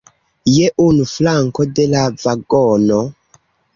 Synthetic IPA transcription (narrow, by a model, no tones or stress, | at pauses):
jeʔunuflaŋkodelavaɡono